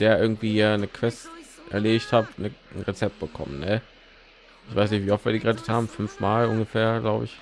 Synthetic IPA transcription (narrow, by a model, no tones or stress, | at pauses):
d̥eːɐʔɪɐɡŋ̩tv̥iːɐnəkʰv̥ɛstʔɛ̰ɐleːɪçthaːp̚tnən̩ʁet͡sɛp̚t̚b̥əkʰɔ̰mənnə | ʔɪçv̥aɪsnɪçtv̥iːɔftv̥iːɐdiːɡəʁɛtə̥thaːbm̩fʏnfmaːlʔʊnɡəfeːɐɡlaʊbə̰ɪç